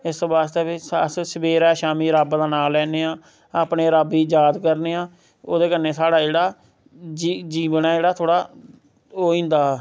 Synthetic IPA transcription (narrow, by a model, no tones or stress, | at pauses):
ɪsbaːst̪eːbssəbeːɾɛːʃaːmiːɾəːbd̪aːnaːlɛːneːaː | aːpneːɾəbiːd͡ʒaːd̪kəɾneːãː | oːd̪eːkənːeːsaːɽaːd͡ʒeːɽaː | d͡ʒid͡ʒiːbnãːd͡ʒeːɽaːt̪ʰoːɽaː | oːĩːnd̪aː